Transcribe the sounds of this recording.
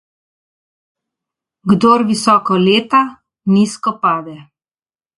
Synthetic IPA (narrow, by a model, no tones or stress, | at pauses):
ɡd̪oːɾʋisɔːkɔleːt̪a | niskɔpaːd̪ɛ